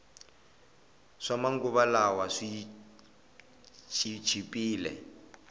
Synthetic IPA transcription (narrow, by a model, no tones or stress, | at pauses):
ʂamaŋɡuβalawaʂi | t͡ʃʰʼit͡ʃʰipʼiːlɛ̰